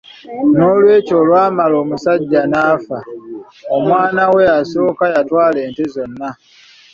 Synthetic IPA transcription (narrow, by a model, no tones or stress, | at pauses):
no̞ːlwe̞ːco̞ːlwaːmalo̞ːmusaɟːanaːfa | omwaːnawe̞jaso̞ːkajatwaːleːntezo̞nːa